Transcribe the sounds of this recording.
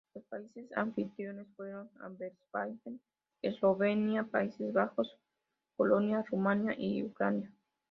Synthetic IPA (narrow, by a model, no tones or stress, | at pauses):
lospaisesa̰ɱfit̪ɾjonesfweɾona̰mbeɾspajxen | esloβenjapaisezβaxos | kolonjarumãnjaʔiukɾanja